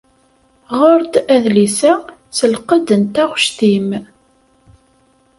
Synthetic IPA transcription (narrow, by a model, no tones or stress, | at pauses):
ʁʊɾt̪æðlisæsəlqəd̪ənt̪æʁʃt̪im